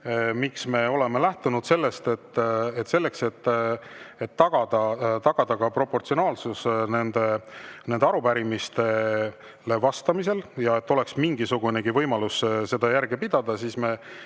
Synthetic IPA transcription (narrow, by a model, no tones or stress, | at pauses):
miksme̞o̞le̞me̞læht̪unud̪̥se̞lːe̞st̪e̞t̪ːet̪se̞lːe̞kse̞t̪ː | et̪ːɑɡ̥ɑd̪ɑt̪ɑɡ̥ɑd̪ɑɡɑpro̞po̞rt̪sio̞nɑːlsusne̞nd̪̥enend̪eɑɾupæɾimist̪e̞ | le̞vɑst̪ɑmis̬e̞ljɑe̞t̪ːo̞le̞ksmiŋɡ̥isuɡuneɡivɤjmɑlusse̞d̪̥ɑjæɾɡepid̪̥ɑd̪̥ɑsiːsme̞